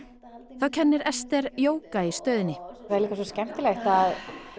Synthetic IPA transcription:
θawcʰɛnːɪɾɛst̪ɛɾjoːwkaɪst̪œːðɪnːɪaɾliːkasɔscɛm̥t̪ɪlext̪að

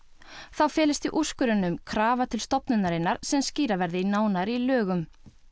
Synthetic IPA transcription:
θawfɛːlɪst̪iʔuskʏɾɪnːʏmkʰɾaːvat̪ʰɪlst̪ɔpnʏnaɾɪnːaɾ̥sɛmsciːɾavɛɾðɪinaːwnaɾilœːɣʏm

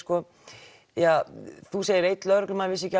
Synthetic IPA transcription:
skɔ | jaθuseːjɪɾejt̪lœɾʏklʏmaːvɪsɛca

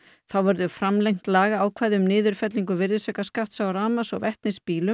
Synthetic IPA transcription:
θawvœɾðʏfɾamlejŋ̥t̪laːɣaːwkʰvaːjðʏmnɪːðʏɾ̥fɛt̪liŋkʏvɪɾðɪsœːkaskaht̪sawaɾaːmasɔɣvɛht̪nɪspiːlʏm

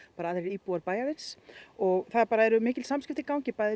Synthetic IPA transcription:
paːɾaːðɾeɾiːpuaɾpaːjavɪnsɔɣθaðpaːɾaɛɾʏmɪːcɪlsamscɪft̪ɪkawɲcɪpaːjðɪ

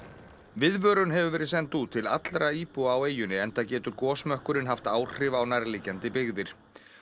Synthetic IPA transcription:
vɪðvœːɾʏnɦɛvʏvɛːɾɪðsɛnt̪ut̪ʰːɪla̰t̪lɾaiːpuaːweːjʏnɪɛnt̪acɛːt̪ʏɾkɔːsmœhkʏɾɪnɦaft̪aːw̥r̥ɪvawnaɾliːcant̪ɪpɪɣðɪɾ̥

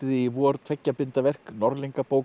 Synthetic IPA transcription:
ɪðiːvuɔɔɾt̪ʰfɛcːapɪnt̪avɛr̥knɔɾliŋkapoːw

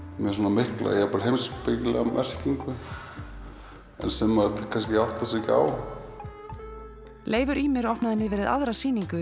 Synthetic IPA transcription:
mjɛs̬uːnamɪhkla̰japalɦejmspɪklɛ̰ɣamʔɛr̥ciŋkʏ | ɛ̰nsɛmːaɾt̪kʰanskɪawht̪asɛcɪa̰ːw | lʔeːjvʏɾimɛɾɔhpnaðɪnːɪvɛːɾɪða̰ðɾasiːniŋkʏ

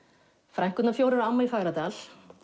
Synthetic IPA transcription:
fɾajŋ̥kʏt̪nafjoːwɾɪɾaamːaifaːɣɾat̪al̥

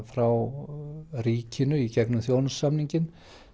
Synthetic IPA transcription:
fɾaw | riːcʰɪnʏicɛknʏmθjownasːamniɲcɪn

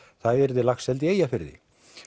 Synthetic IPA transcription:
θaðɛɾðɪlaxsɛlt̪ɪejafɪɾðɪ̰

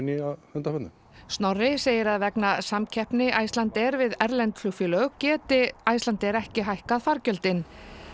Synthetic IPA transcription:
nɪaðhœnt̪afɛt̪nam | st̪nɔrːɪseːjɪɾaðvɛknasamcʰɛhpnɪʔajst̪lant̪ɛɾvɪðɛɾlɛnt̪ʰlufʏlœɣʏcɛːt̪ɪajst̪lant̪ɪɛɾɛhcɪɦajhkaðfaɾcœlt̪ɪn

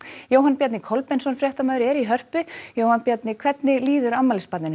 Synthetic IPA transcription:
joːwɦanpjɛt̪nɪkʰɔlpɛnsɔnfɾjɛht̪amaðʏɾɛɾiɦœr̥pʏjoːwhanpjɛt̪nɪkʰv̥ɛt̪nɪliːðʏɾamːalɪspat̪nɪn

